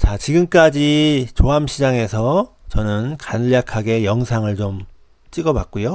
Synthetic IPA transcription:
t͡ɕat͡ɕiɡɯmk͈ad͡ʑit͡ɕoɦamɕʰid͡ʑaŋe̞sʰʌ | t͡ɕʌnɯnkanʎːakʰaɡe̞jʌŋsʰaŋɯɭt͡ɕom | t͡ɕ͈iɡʌbak̚k͈ujo

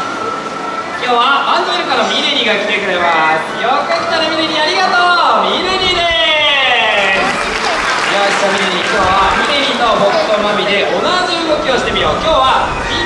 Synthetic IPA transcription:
kʲo̞ːβaãnd̪oɾɯ̟kanomʲiɾeɾʲiɡakʲi̥t̪e̞kɯ̟ɾe̞masjokakʲi̥t̪aɾamʲiɾeɾʲiaɾʲiɡat̪oːmʲiɾeɾʲid̪e | jaɕi̥t̪amʲiɾeɾʲikʲo̞ːβamʲiɾeɾʲino̞ɦokt̪ːomamʲid̪e̞ʔonaziɯmokʲio̞ɕi̥t̪e̞mʲijo̞kʲo̞ːβa | i

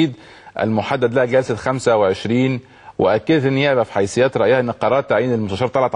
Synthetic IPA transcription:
iːd̪ | ʔæ̰lmʊħad̪ːæd̪læhæɡælsæxæmsæweʕeʃɾiːn | weʔækːed̪æt̪ʔenːjeʕlæfħajsejːæːt̪ɾˤɑʔjahæʔenːeqɑɾˤɑːɾt̪ːaʕiːnelmʊst̪æʃɑːɾˤt̪ɑlʕɑt̪

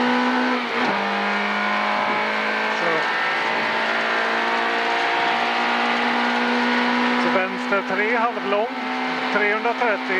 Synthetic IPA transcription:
sɔ | sɔvɛnst̪əʈʰɾeːɦalvlɔŋ | t̪ʰɾeːhɵnd̪ɾat̪ʰɾɛt̪ːɪ

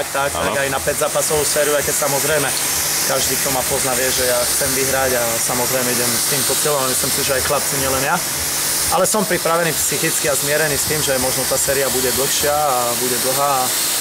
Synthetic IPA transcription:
ak̚t̪ak̚t̪aɡajnapɛzaːpasɔʋusfɛːɾuajkɛcsamɔzɾɛjmɛ | kaʒd̪iːk̚t̪ɔmapɔznaʋɪɛʒɛjaxt͡sɛmʋiɦɾaɟa | samɔzɾɛjmɛiɟɛmst̪iːmp̪ɔsɛlɔmaamislimsiʒɛajxlap̚t͡siɲɪɛlɛnja | ʔalɛsɔmpɾipɾaʋɛniːpsixit͡skiazmɪɛɾɛniːst̪iːmʒɛmɔʒnɔt̪aːsɛːɾiabuɟɛd̪l̩xʃɪaːbuɟɛd̪l̩ɦaː

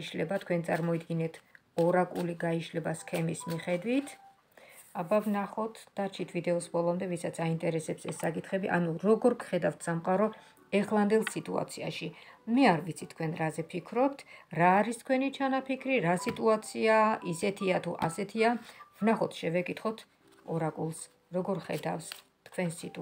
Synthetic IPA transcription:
ʃlɛbat̪ʰkʰwɛnt̪sʼaɾmɔid̪ɡinɛt̪ʰ | ɔɾakʼuliɡaiʃlɛbaskʰɛmismiχɛd̪wit̪ʰ | abavnaχɔt̪ʰd̪̥aɾt͡ʃʰit̪ʰvid̪ɛɔsbɔlˠɔmd̪ɛvisat̪sʰaint̪ʼɛɾɛsɛpsɛsːakʼit̪ʰχɛbiʔa̰nuɾɔɡɔɾkʰχɛd̪avt̪ʰsamqʼaɾɔ | ɛχlˠand̪ɛlˠsit̪ʼua̰t̪sʰia̰ʃimɛaɾvit̪sʰit̪ʰkʰwɛnɾazɛpʰikʰɾɔpt̪ʰɾaːɾist̪̚ʰkʰwɛnit͡ʃʰanapʰikʰɾiɾasit̪ʼuat̪sʰiaisɛt̪ʰiat̪ʰuʔasɛt̪ʰiavnaχɔt̪ʰʃɛvɛkʼit̪ʰχɔt̪ʰ | ɔɾakʼulˠs | ɾɔɡɔɾχɛd̪afs | t̪ʰkʰwɛnsit̪ʼ

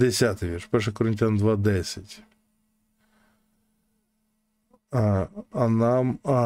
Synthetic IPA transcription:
d̪esʲat̪ɪʋʲirʂʃpɛrʂ̬ɛkɔɾɪnʲtʲand̪ʋad̪ɛsʲɐtʲ | ɐnam

